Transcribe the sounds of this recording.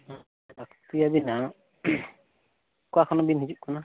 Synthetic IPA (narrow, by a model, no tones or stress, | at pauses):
akt̪ijabina | kuakʰɔnɔbinɦid͡ʒuʔkʰɔna